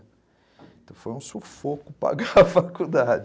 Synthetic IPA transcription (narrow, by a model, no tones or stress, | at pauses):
ẽt̪ɐ̃w̃fojũsofokʊpɾa̰ɡaɐfakud̪ad͡ʒ